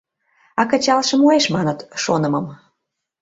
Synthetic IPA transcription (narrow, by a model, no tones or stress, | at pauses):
ɑkə̆t͡ɕɑlʃə̆moeʃmɑnət̪ʃonə̆məm